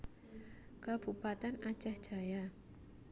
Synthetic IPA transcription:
kab̥upat̪ɛnḁt͡ʃahd̥ʒ̥a̤ja

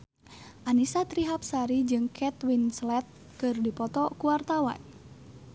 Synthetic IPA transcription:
ʔanisat̪ɾiɦap̚saɾid͡ʒɨŋkʰɛt̪winslɛt̪̚ | kɨrdipɔt̪ɔkuwart̪awa̰n

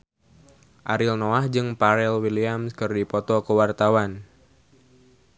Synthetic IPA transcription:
ʔaɾɪlnoahd͡ʒɨŋpaɾɛlwiliamskɨrdipɔt̪ɔkəwart̪awan

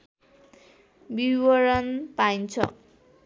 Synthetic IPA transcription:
biwʌɾʌnpajnt͡sʰʌ̰

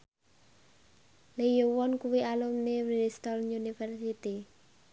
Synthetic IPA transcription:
lejuwɔnkuwialumnewiɾist̪ɔlunifɛrsit̪i

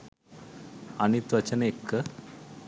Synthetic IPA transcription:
añit̪ʋat͡ɕənekː

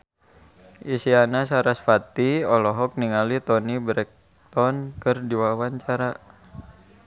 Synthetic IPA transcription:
ʔisianasaɾasfat̪iɔlɔɦɔk̚niŋalit̪ɔnibɾɛk̚ | t̪ɔnkɨrdiwawaɲt͡ʃaɾa

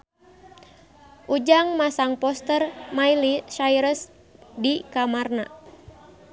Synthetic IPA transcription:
ʔud͡ʒaŋmasaŋpɔst̪ərmajliʃaiɾəs | dikamarna

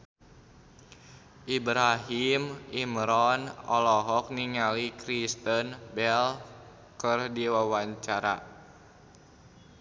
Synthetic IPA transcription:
ʔibɾaɦimimɾɔnɔ̰lɔɦɔk̚niŋalikɾist̪ənbɛl | kərdiwawaɲt͡ʃaɾa̰

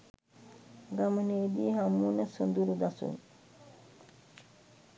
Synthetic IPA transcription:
ɡaməneːd̪iːɦamːunəsond̪uɾud̪asṵŋ

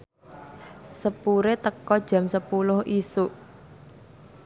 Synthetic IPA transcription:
səpuɾet̪əkɔd̥ʒ̥a̤msəpulʊhʔisuʔ

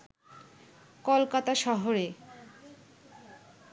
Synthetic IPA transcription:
kolkat̪aʃɔɦoɾe

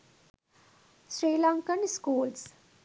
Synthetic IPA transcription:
sɾiːlãːŋkənskuːls

